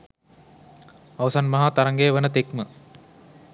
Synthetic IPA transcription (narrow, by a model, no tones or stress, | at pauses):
aʋsanmɐɦaːt̪aɾɐŋɡeːʋənət̪ekmə